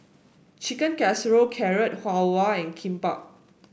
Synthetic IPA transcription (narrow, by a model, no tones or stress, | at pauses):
t͡ʃikə̃nkɛsɹokʰɛɹət̚hawaɛ̃nkʰĩmpak̚